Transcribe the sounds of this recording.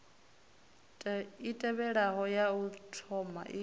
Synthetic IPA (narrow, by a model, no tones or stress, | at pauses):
itʼɛβɛɺaɦɔjautʰɔma̰ʔi